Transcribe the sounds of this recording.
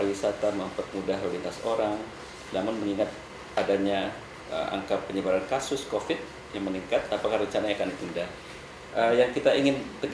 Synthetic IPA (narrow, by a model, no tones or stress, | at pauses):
wisat̪aməmpət̪̚mudaɦodit̪asoɾaŋ | namʊnməŋiŋat̪̚ | adaɲa | ə̰ʔa̰ŋkapəɲəbaɾankasʊskofɪt̪̚ | jaŋməniŋkat̪apakahrɾəɲt͡ʃanajakanit̪indah | ʔəjaŋkit̪aiŋɪnt̪əɡ